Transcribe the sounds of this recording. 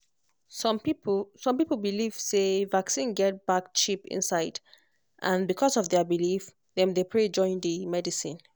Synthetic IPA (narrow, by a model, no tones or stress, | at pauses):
smpisɔ̃mpipl̩ˠbiliv̥sevaksĩnɡɛt̚b̥akt͡ʃipɪ̰̃nsaɪd | ʔãnbikʰɔsɔvðɛbilif | ðɛ̃mdepʰɹed͡ʒɔ̃ɪ̃ndəmɛdisḭ̃n